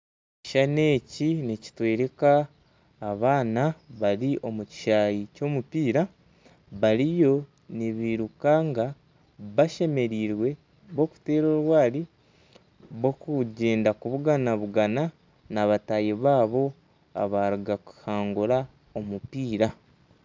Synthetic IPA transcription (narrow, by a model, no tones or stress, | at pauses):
ci̥ʃane̞ːcinici̥twe̞ːɾe̞kaː | βaːnaβaɾiʔo̞muci̥ʃaːjico̞ːmupiːɾa | βaɾijo̞ | niβiɾukaŋɡa | βaʃe̞me̞ɾiːɾwe̞ | βo̞ku̥te̞ːɾo̞ɾwaːli | βo̞kuɟe̞ːndakuβuɡanaβuɡana | naβatajeβaːβo̞ | a̰βaɾuɡaku̥haːŋɡuɾa | o̞mupiːɾa